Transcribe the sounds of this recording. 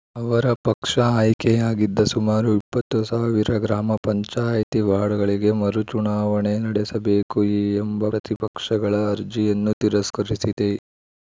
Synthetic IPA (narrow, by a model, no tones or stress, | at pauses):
ɐʋɐɾɐpɐkʂɐaːjkejaːɡid̪ːɐsumaːɾuipːɐt̪ːusaːʋiɾɐɡɾaːmɐpɐɲt͡ʃaːjɐt̪iʋaːɽɐɡɐɭiɡe̞mɐɾut͡ʃuɳaːʋɐɳenɐɽesɐbeːkuiːembɐɾɐt̪ipɐkʂɐɡɐɭɐːɾd͡ʒijɐnːut̪iɾɐskɐɾisid̪e̞